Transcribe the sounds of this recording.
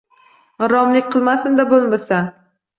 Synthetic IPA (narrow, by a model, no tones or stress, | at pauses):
ʁɨɾɒmlɪkʲqʰɨlˠmasɪnd̪abolˠmasa